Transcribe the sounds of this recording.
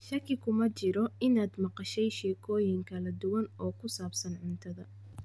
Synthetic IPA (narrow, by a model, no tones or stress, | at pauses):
ʃɐkʰɪkʰʊmɐt͡ʃɪɾɔɪnaːd̪mɑqɑʃɛjʃɛːkʰɔːjɪŋkʰɐlɐd̪ʊwɐnɔːkʰʊsaːbsɐnʕʊnt̪ʰɐðɐ